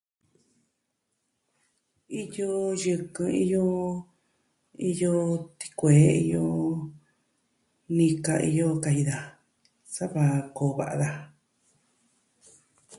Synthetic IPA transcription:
i˦jo˦jɨ˧kɨ̃˧i˧jo˦ | i˧jo˦t̪i̥˧kʷeː˨˦i˧jo˧˦ | nĩ˧ka˧ʔḭ˧jo˧ka˧i˧ða˨ | sa˦βa˧koː˨βa̰˨ʔa˧ða˧

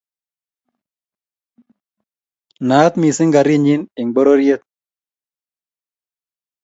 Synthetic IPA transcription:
na˨t̪mi˨sɪ˦ŋɡa˨ɾi˦˨ɲi˦nɪ˨ŋɡ͡bo˦ɾo˦ɾje˦t̪̚

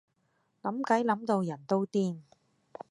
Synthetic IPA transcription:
lɐ˨˥mkɐ˨˥jlɐ˨˥mt̪o˧wjɐ˨˩nt̪o˥wt̪iː˧˩n

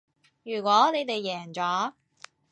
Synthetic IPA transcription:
jyː˨˩kʷɔː˨˥ne˨˧jt̪e˨jːɛː˨˩ŋt͡sɔː˨˥

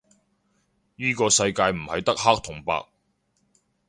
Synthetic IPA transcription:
jiː˥kɔː˧sɐ˧jkaː˧jm̩˨˩hɐ˨jt̪ɐ˥k̚haː˥k̚t̪ʰʊ˨˩ŋpa̰ː˧k̚

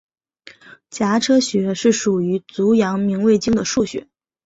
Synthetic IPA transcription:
t͡ɕja˧˥ʈ͡ʂʰɤ˥ɕɥɛ˧˥ʂɻ̩˥˩ʂu˨˩y˧˥t͡su˧˥jɑ˧˥ŋmi˧˥ŋwe˥˩ɪt͡ɕi˥ŋd̪ə˨ʂu˥˩ɕɥɛ̰˧˥

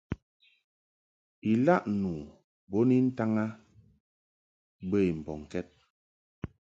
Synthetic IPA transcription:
i˨la˦ʔnu˨ | bo˦ni˦n̩˦ta˦ŋa˦ | bə˦i˨m̩˨bɔ˨ŋ˨kɛ˦t̚

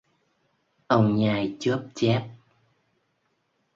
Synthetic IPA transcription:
ʔə˧wŋ͡mɲaː˨˩jt͡ɕə˦˥p̚t͡ɕɛ˦˥p̚

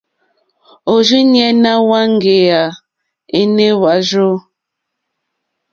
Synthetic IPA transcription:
o˨ʒi˦njɛ˦na˦wa˦ŋ˦ɡe˨a˨ | e˦ne˦wa˨˦ʒo˦

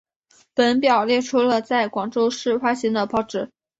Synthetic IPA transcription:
pə˧˥npjɑ˨˩ʊljɛ˥˩ʈ͡ʂʰu˥lə˨t͡sa˥˩ɪkwɑ˨˩ŋʈ͡ʂo˥ʊʂɻ̩˥˩fa˥ɕi˧˥ŋd̪ə˧pɑ˥˩ʊʈ͡ʂɻ̩˧˩˦

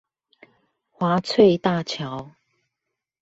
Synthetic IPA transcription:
xwa˨˦t͡sʰwe˥˧ɪt̪a˥˧˨t͡ɕʰja˨˦ʊ

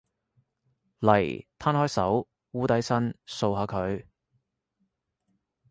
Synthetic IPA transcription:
lɐ˨˩jt̪ʰaː˥nhɔː˥jsɐ˨˥w | wuː˥t̪ɐ˨˥jsɐ˥nso˧wɦaː˨˧˥kʰɵ˨˧ɥ

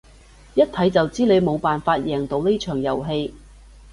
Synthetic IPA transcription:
jɐ˥t̚t̪ʰɐ˨˥jt͡sɐ˨wt͡siː˥le˨˧jmo˨˧wpaː˨nfaː˧t̚jɛː˨˩ŋt̪o˨˥wne˥jt͡ʃʰœː˨˩ŋjɐ̰˨˩wɦe˧j

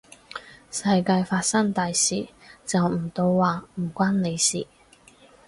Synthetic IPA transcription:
sɐ˧jkaː˧jfaː˧t̚sɐ˥ŋt̪aː˨jsiː˨˩t͡sɐ˨wm̩˨˩t̪o˧wːaː˨˩m̩˨˩kʷaː˥nne˨˧jsḭː˨˩

